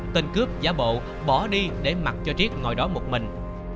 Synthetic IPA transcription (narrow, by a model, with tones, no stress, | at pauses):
t̪ï˨˩ŋ̟kɨ˦˥əp̚zaː˨˦ɓo̰˧˨ | ɓɔ˧˩ɗi˧ɗe˧˩ma˨˩t̚t͡ɕɔ˧t͡ɕi˦˥ət̚ŋɔ̰˨˩jɗɔ˨˦mo˨˩t̚mï˨˩ŋ̟